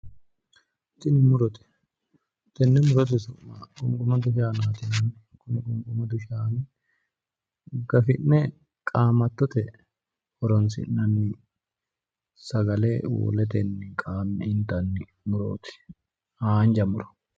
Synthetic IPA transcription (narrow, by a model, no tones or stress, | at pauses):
t̪ɪnɪmʊɾɔt̪ɛ̥ | t̪ɛnːɛmʊɾɔt̪̬ɪsʊmakʼʊŋkʼʊmɐd̪ʊʃaːnaːt̪ɪnɐn | kʊmkʼʊŋɡʼʊmɐd̪ʊʃaːnɪ | ɡɐfɪnːɛ | kʼaːmɐt̪ːɔt̪ɛ | ɔɾɔns̬ɪ̰nɐnːɪ | sɐɡɐleːwɔ̰lɛt̪ɛnːɪkʼaːmːɛɪnt̪ɐnːɪ | mʊɾo̰ːt̪ɪ̥ | haːnd͡ʒɐmʊɾɔ̥